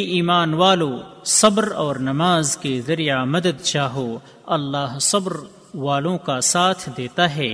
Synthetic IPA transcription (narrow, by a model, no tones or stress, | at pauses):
ʔiːmaːnwaːlõsɐbɾɔːɾnɐmaːzkezɐɾijamɐd̪əd̪t͡ʃaːɦo | ɐlːaːɦsɐbɾ | ʋaːlõkasaːt̪ʰd̪eːt̪aɦɛː